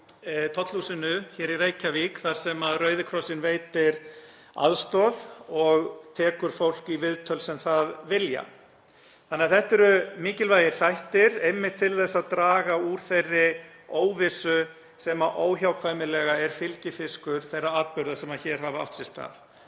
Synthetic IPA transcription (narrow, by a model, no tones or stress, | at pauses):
t̪ʰɔt̪lhusɪnʏçɛːɾiɾeːjcavikθaɾ̥sɛmaðrœːɥðɪkʰɾɔsɪnveːjt̪ɪɾ̥ | a̰ðst̪ɔðɔɣt̪ʰɛːkʏɾ̥fowl̥kivɪðt̪ʰœlsɛmθaðvɪlja̰ | θanːɛaðθɛht̪ɛɾʏmiːcɪlvaːjɪɾ̥θajht̪ɪɾejmːɪht̪ʰːɪlθɛsːaðt̪ɾaːɣauɾ̥θerːɪ | oːwvɪsʏ | sɛmaʔoːwçawkʰvaːjmɪlɛɣaɛɾ̥fɪlcɪfɪskʏɾ̥θejrːaaːpʏɾðasɛmaðçɛːɾ̥ɦava̰wht̪sɪst̪a̰ːθ